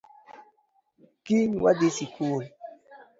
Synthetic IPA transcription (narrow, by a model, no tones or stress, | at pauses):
kinwadesikul